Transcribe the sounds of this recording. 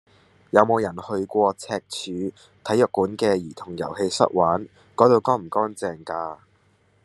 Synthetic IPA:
jɐ˨˧wmo˨˧wjɐ˨˩nhɵ˧ɥkʷɔː˧t͡sʰɛː˧k̚t͡ʃʰyː˨˧ | t̪ʰɐ˨˥jœː˨˩kːuː˨˥nkɛː˧jiː˨˩t̪ʰʊ˨˩ŋjɐ̰˨˩whe˧jsɐ̰˥t̚waː˨˥n | kɔː˨˧˥t̪o˨˧wkɔː˥m̩˨˩kɔː˥nt͡sɛː˨ŋkaː˧

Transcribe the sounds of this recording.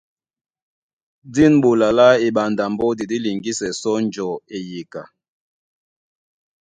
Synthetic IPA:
di˦nɓo˨la˨la˦e˨ɓa˨nda˨mbɔ˦di˨di˦li˨ŋɡi˦sɛ˨sɔ˦n˦d͡ʒɔ˨e˨je˨ka˨

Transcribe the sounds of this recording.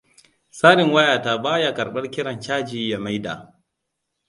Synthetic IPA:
saː˦ɽɪ˨ŋwa˦jaː˨ta˦baː˦ja˦kɐ˨ɓɐ˦rkʲɪ˦ɽɐ˨nt͡ʃaː˦d͡ʒiː˨ja˨ma˦jda̰ː˨

